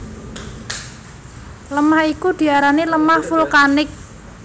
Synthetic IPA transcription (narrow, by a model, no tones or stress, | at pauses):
ləmahikud̪̥i̤aɾaniləmahfulkanɪk̚